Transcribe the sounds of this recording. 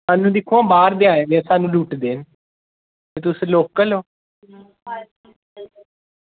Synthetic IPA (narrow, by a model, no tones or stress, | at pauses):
saːnũːd̪ɪkʰːuãːbaːɾd̪ɪaːjaːɡɛ̃ːsaːnũːluːʈd̪eːn | t̪eːt̪ʊsloːkːəloː